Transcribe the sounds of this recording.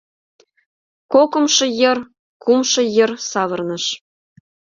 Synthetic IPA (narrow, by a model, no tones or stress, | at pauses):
kokɤ̆mʃɤ̆jɤ̆r | kumʃɤ̆jə̆rsɑβɤ̆rnɤ̆ʃ